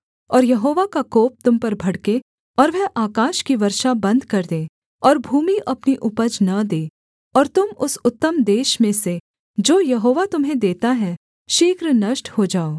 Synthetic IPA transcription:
ɔːɾjɐɦoːʋakakoːp̚t̪ʊmpɐɾbʱɐɽke | ɔːɾʋɛɦʔaːkaːʃkiʋɐɾʃabɐ̃nd̪ʱkɐɾd̪ẽː | ɔːɾbʱuːmiʔɐpniʔʊpəd͡ʒnɐd̪eː | ɔːɾt̪ʊmʊsʊt̪ːəmd̪eːʃmẽse | d͡ʒoːjɐɦoːʋat̪ʊmɦẽd̪eːt̪aɦɛ | ʃɪkɾnɐʃʈhod͡ʒaːoː

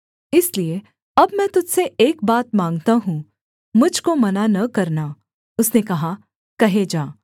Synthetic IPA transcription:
ɪslie | ɐbmɛ̃t̪ʊd͡ʒseʔeːk̚baːt̪̚mãːŋɡt̪aɦũː | mʊd͡ʒʱkomɐnanɐkɐɾna | ʊsnekɐɦa | kɐɦed͡ʒaː

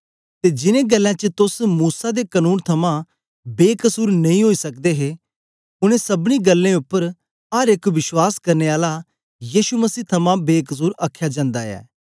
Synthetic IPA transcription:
t̪ed͡ʒɪnẽɡɐlːãt͡ʃət̪ʊsmuːsad̪ekənuːnt̪ʰɐmã | beːkɐsuːɾnɐĩɦoːisɐk̚d̪eɦe | ʊɽ̃ẽsɐbɽ̃iɡɐlːẽʊpːəɾ | ɐɾekʋɪʃwaːskɐɾneaːla | jiːʃumɐsiːt̪ʰɐmãbeːkɐs̬uːɾɐkʰːjad͡ʒãːnd̪aɛ̰ː

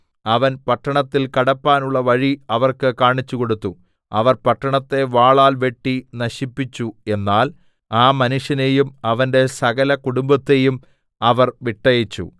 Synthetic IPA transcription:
ɐʋɐnpɐʈːɐɳɐt̪ːilkɐɽɐpːaːnuɭːɐʋɐɻiɐʋɐrkɨkaːɳit͡ɕːuko̞ɽut̪ːu | ɐʋɐrpɐʈːɐɳɐt̪ːe̞ʋaːɭaːlʋe̞ʈːinɐɕipːit͡ɕːue̞nːaːl | aːmɐnuʂjɐne̞jumɐʋɐnde̞sɐɣɐlɐkuɽumbɐt̪ːe̞jum | ɐʋɐrʋiʈːɐjɐt͡ɕːṵ

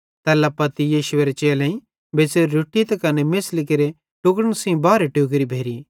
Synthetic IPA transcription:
t̪ɛːlɐpɐt̪ijiːʃʊeɾet͡ʃeːlẽĩ | beːseɾuʈːit̪ɐkɐnemɪslkeɾe | ʈʊkɽəɽ̃sĩbaːɾeʈjuːkɾibʱeːɾi

